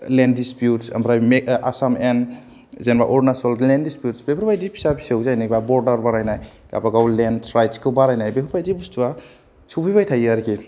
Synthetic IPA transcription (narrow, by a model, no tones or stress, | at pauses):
lendispjutsa̰mbɾajmea̰samen | zenbaʔɔɾnasɔllendispjutsbepʰɾbajdipʰi̥sabʰisewzajnibabɔɾdaɾbaɾajnaj | ka̰baɡawlenɾajtskʰɯbaɾajnajbepʰɔɾbajdibustua | subibajtʰajaɾkʰi